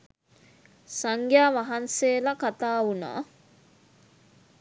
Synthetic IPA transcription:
saŋɡjaːʋaɦanseːlakat̪aːuna̰ː

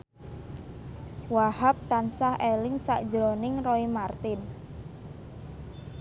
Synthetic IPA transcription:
wahap̚t̪ansaɦʔelɪŋsa̰ʔd̥d͡ʒɾonɪŋroimart̪ɪn

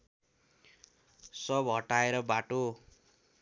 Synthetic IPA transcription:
sʌbɦʌʈaeɾʌbaʈo

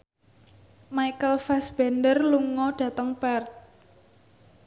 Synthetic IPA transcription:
maikəlfɛsb̥ɛndərluŋɔɖ̥ä̤t̪əŋpɛrt̪̚

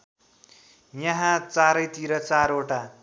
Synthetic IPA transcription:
jʌɦãt͡saɾʌjt̪iɾʌt͡saɾoʈa

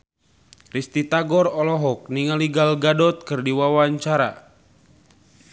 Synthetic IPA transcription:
rist̪it̪aɡɔrɔlɔɦɔk̚niŋaliɡalɡadɔt̪̚kɨrdiwawaɲt͡ʃaɾa̰

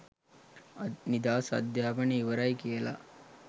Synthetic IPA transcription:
nid̪aːsɐ̰d̪jaːbɐniːʋɐɾɐjkijela̰

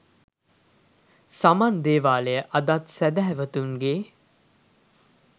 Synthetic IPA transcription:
samaːnd̪eːʋaːlejəʔɐd̪at̪sæd̪æɦɛʋət̪uŋɡeː

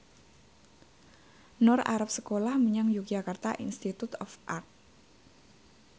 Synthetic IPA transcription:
nʊra̰ɾap̚səkolahməɲaŋjuk̚ʒ̥akart̪a̰ʔinst̪it̪ut̪ɔfʔa̰rt̪̚

